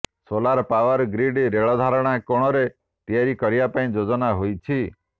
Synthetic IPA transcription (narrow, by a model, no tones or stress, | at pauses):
solaɾpaʋɔɾɡɾiɖɾeɭɔd̪ʱaɾɔɽ̃akoɽ̃ɔɾe | t̪ijaɾikɔɾijapaĩd͡ʒod͡ʒɔnaɦojt͡ʃʰi